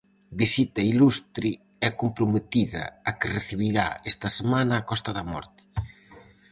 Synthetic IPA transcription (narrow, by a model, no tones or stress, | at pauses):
bisit̪ɐilust̪ɾɪ | ɛkompɾʊmet̪iðɐ̰ɐkɪreθiβiɾa̰est̪ɐsemanɐːkɔst̪ɐðɐmɔ̰ɾt̪ɪ̥